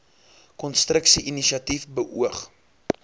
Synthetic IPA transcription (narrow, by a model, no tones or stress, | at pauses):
kɔnstrəksiʔiniʃiɐtifbəʔṵəχ